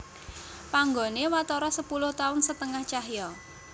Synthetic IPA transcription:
paŋɡonewat̪ɔɾɔsəpulʊht̪aʊnsət̪əŋaht͡ʃaɦjɔ

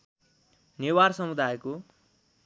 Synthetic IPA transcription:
newarsʌmud̪ʱajko

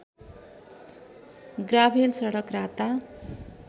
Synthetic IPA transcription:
ɡrabʱelsʌɽʌkrat̪a

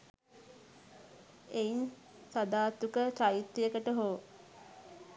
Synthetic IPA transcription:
ein | sad̪aːt̪ukət͡ʃajit̪ːijəkəʈəɦoː

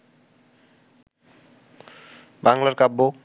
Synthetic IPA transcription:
baŋlaɾkabːo

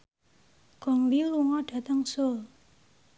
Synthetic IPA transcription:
ɡ̥ɔ̤ŋliluŋɔɖ̥a̤t̪əŋsol

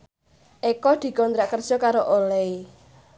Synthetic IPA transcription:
ʔekɔd̪̥i̤kɔnt̪ɾaʔkərd̥ʒ̥ɔkaɾoʔolɛi

